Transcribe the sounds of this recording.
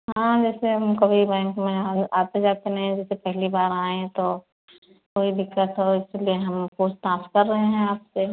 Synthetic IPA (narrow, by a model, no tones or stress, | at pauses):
ɦãːd͡ʒɛːseɦɐmkɐbʱibɛ̃ːŋkmẽaːt̪ẽd͡ʒaːkenɐɦĩd͡ʒɛːsepɛɦlibaːɾaːẽt̪o | koːibʱɪkːəsɦoɪslieɦɐmpoːst̪aːfkɐɾːɐɦeɦɛ̃aːpse